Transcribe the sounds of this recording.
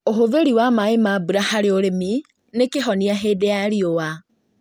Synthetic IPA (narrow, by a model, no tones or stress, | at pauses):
oɦoveɾiwamaemabuɾahaɾeoɾemi | nekeɦɔniaɦeːdeaɾiowa